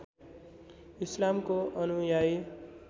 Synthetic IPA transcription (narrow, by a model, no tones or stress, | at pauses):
islamkoʔʌnujaj